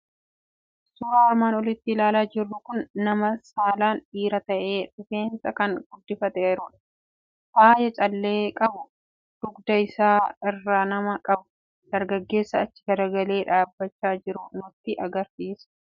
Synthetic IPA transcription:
suːɾaːɐɾmaːnɔlɪt̪ːɪlaːlaːd͡ʒɪrːʊkʊnːɐmɐsaːlaːnᶑiːɾɐt̪ɐʔe̞ːᶑʊfe̞ːnsɐkɐnɡ̥ʊd̪ːɪfɐt̪ɛɪɾʊᶑɐ̥ | haːjɐt͡ʃʼɐlːe̞ːkʼɐbʊ | d̪̥ʊɡd̪ɐɪsaːɪrːaːnɐmɐkʼɐbʊ̥ | d̪̥ɐɾɡɐɡːe̞ːsːɐːt͡ʃːɪ̥ɡɐɾɐɡɐle̞ːᶑaːbːɐt͡ʃːaːd͡ʒɪɾʊnʊt̪ːɪʔɐɡɐɾsiːs

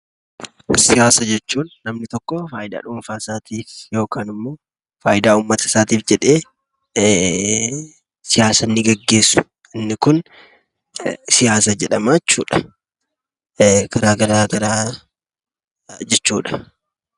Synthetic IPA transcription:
sɪjaːsɐd͡ʒɛt͡ʃːuːnnɐmnɪt̪ɔkːɔfaːjɪd̪a̰ːᶑʊmfaːsaːt̪iːfjo̞ːkaːnɪmːo̞ː | faːjɪd̪aːuːmːɐt̪ɐ̥saːt̪iːfd͡ʒɛᶑe̞ː | sɪjaːsɐnːɪɡɐɡːe̞ːsːʊ̥ | ɪnːɪkʊn | sɪjaːsɐd͡ʒɛᶑɐmajɛt͡ʃːṵːᶑɐ̥ | ɡ̥ɐɾaːɡɐɾaːɡɐɾaː | d͡ʒɛt͡ʃːuːᶑɐ̥

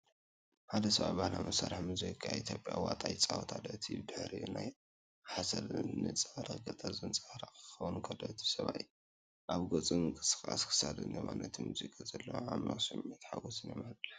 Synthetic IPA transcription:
ħad̪ɐsɐβa̰bahlamɐsaɾħmɨzikʼaʔit̪ʰjo̞pʼjawat̪ʼajt͡sʼawt̪ʰad̪ɐt̪ʰid̪ɨħɾinaj | ħasɐlnɨt͡sʼɐɾɐɡɐt̪ʼazɨnt͡sʼahɾakʰɨ̥xɐwunkʰɐlot̪ʰi̥sɐβaʔj | ʔaβɡot͡sʼimɨŋkʼɨsɨ̥xʼa̰skʰɨ̥sad̪ɨnɐmanɐt̪ʰmuzikʼazɐlːɐwamnosɨmit̪ʰħaɡosɨnemalt̪ːɐ

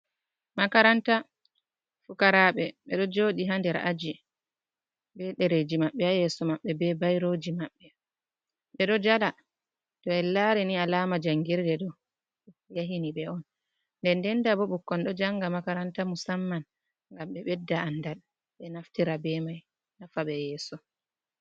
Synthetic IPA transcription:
makaɾanta | fukaɾaɓɛɓɛɗɔd͡ʒoːɗiɦandɛɾa̰d͡ʒi | bɛɗɛɾed͡ʒimaɓːɛajɛsɔmaɓːɛbɛbajɾod͡ʒimaɓːɛ | ɓɛɗɔd͡ʒala | tɔɛlaɾɛnialaːmad͡ʒaŋɡiɾdɛɗɔ | jaɦiniɓɛɔn | ndɛndɛndabɔɓukːɔnɗɔd͡ʒaŋɡamakaɾantamusamːan | ŋɡamɓɛɓɛdːaanːdal | ɓɛnaftiɾabɛmaj | nafaɓɛjɛːsɔ

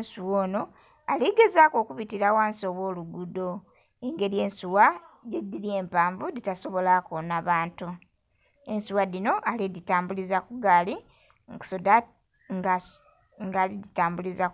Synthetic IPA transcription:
nsuwoːno̞ | aliɡe̞zaːko̞ːkuβitiɾawaːnsio̞βwo̞ːluɡudo̞ | eŋɡe̞ɾje̞ːnsuwajedːiɾje̞ːmpaːɱvuditaso̞βo̞lakonaβaːntu | e̞nsuwadino̞ʔaliditaːmbulizakuɡaːli | ŋsoda | ŋɡa | ŋɡaliditaːmbuliza

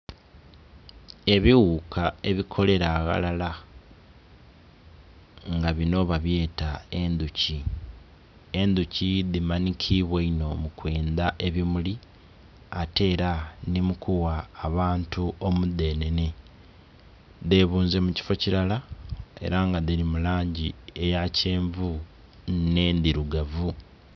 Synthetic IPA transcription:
e̞βiwukʰae̞βikʰo̞le̞ɾaɣa̰lala | ŋɡaβino̞βaβje̞ːtae̞nd̪uci | e̞nd̪uciðimanikʰiβweino̞mukwe̞ːnd̪aʔe̞βimuli | ate̞ːɾanimukʰuwaːβaːntuo̞mude̞ːne̞ne̞ | ðe̞βuːnze̞muci̥fo̞ciɾalae̞̰ɾaŋɡaðiɾimulaːɲɟie̞jaceːɱvu | ne̞ːnd̪iɾuɡavu

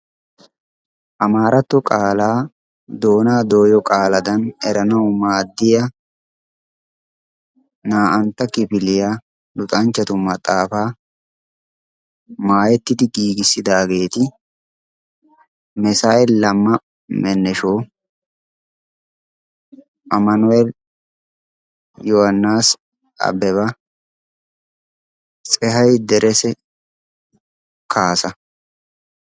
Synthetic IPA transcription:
ʔɐmaːɾʔɐt̪ːɔkʼaːlaː | d̪o̞ːnaːd̪o̞ːjɔkʼaːlɐd̪ɐnɛɾɐnɐwmaːd̪ːɪjɐ | naːʔɐnt̪ːɐkɪpɪlɪja | lʊt̪ʼɐnt͡ʃːɐt̪ʊmɐt̪ʼːaːfaː | maːjɛt̪ːɪd̪ɪɡiːɡɪsːɪd̪aːɡe̞ːt̪ɪ | mɛsaːʔɛlːɐmːɐ | mɛnːɛʃoː | ʔɐmɐnʊɛl | johɐnːaːs | ɐ̰bɛβɐ | t͡sʼɛɦɐjd̪ɛɾʔɛsɛ | kʰaːsɐ

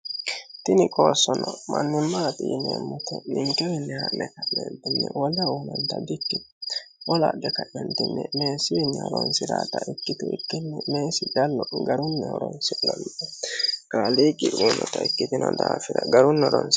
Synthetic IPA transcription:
t̪ɪnɪkʼoːsːɔnɔmʔɐnːɪmːat̪ʼɪʔnemːɔt̪ɛnɪŋkɛwɛnːɛhɐnːɛkɐʔɛnt̪ɪnːɛwɔlɐuːnɔnt̪ɐd̪ɪkːɪ | wɔlaːd̪ɛkɐʔɛnt̪ɪnːɛme̞ːsɪwɪnːɛɔɾɔnsɪɾaːt̪ɐʔɪkːɪt̪ʊɪkːɪnːɛme̞ːsɪɡɐlːɔɡɐɾʊnːɛɔɾɔnsɪlɐnɪɔɡ̥aːliːkʼːɪʔuːnɔt̪ɐɪkːɪt̪ɪnɔd̪aːfɪɾɐɡɐɾʊnːɔɾɔns

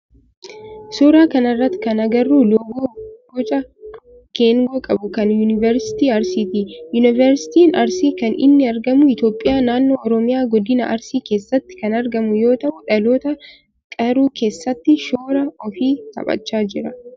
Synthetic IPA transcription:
soːɾaːkɐnɪrːɐt̪ːɪ̥kɐnɐɡɐrːuːlɔɡoːɡɔt͡ʃʼɐ | keːŋɡokʼɐbʊkɐnjunɪvɛɾsɪ̥t̪iːɐɾsɪt̪iːjʊnɪvɛɾsɪ̥t̪iːnɐɾsiːkɐnɪ̰nːɪɐɾɡɐmʊɪt̪jo̞ːpʼːɪjaːnaːnːoːɔɾɔmɪjaːɡɔd̪ːɪnɐ̰ʔɐɾsiːke̞ːsːɐt̪ːɪ̥kɐnɐɾɡɐmʊjo̞ːt̪ɐʔʊᶑɐloːt̪ɐ | kʼɐɾuːke̞ːsːɐt̪ːɪʃoːɾɐɔfiːt̪ɐ̰pʼɐ̰t͡ʃːaːd͡ʒɪɾɐ

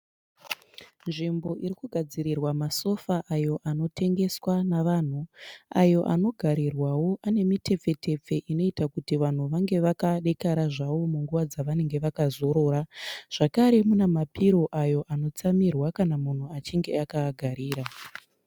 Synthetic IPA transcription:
nʐimbo̞ʔiɾikuɡʱad͡ziɾirwamaso̞faʔajo̞ʔano̞tʰe̞ŋɡe̞swanaʋaːn̤ua̰jo̞ʔa̰no̞ɡʱaɾirwawo̞ʔane̞mite̞p͡fe̞te̞p͡fe̞ʔino̞itakutiʋan̤uʋaŋɡe̞ʋakaɗe̞kaɾaʐaʋo̞muŋɡuʋad͡zaʋane̞ŋɡe̞ʋakazo̞ɾo̞ːɾaʐ̥akaɾe̞munemapiɾo̞ʔajo̞ʔano̞t͡samirwakanamun̤uat͡ʃiŋɡe̞akaɡʱaɾiːɾa

